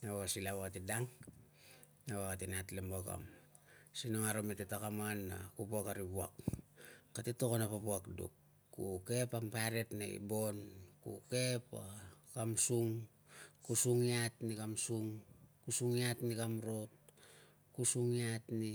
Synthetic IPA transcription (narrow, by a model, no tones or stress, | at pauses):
nawasilaβaatidaŋ | nawakatenatlemaka̰m | sinoŋaɾometetakamanːa̰kupuakaɾibua̰kː | atetokonapapuakdṵkː | uke̞pampaɾetnaḭbo̞nkṵke̞pakamsuŋ | kusuŋiatnikamsuŋkusuŋiatnikamɾo̞t̚ | kusuŋiatni